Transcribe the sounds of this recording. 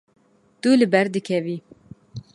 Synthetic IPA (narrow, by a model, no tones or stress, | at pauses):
t̪ulɨbɛɾd̪ɨkʰɛviː